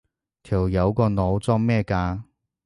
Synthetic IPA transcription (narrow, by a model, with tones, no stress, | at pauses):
t̪ʰiː˨˩wjɐ˨˧wkɔː˧no˨˧wt͡sɔː˥ŋmɛː˥˧kaː˧